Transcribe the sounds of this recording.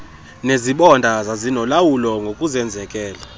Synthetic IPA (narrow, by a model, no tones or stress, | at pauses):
neziɓɔndʱazazinɔlawulɔŋɡʱokʼuzɛnd͡zʱɛkʼɛːla